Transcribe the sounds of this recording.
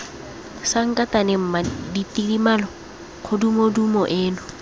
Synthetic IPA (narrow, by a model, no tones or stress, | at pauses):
saŋ̩kʼatanɪm̩maditʼirimalɔ | q͡χʰʊdumodumɔʔeːnʊ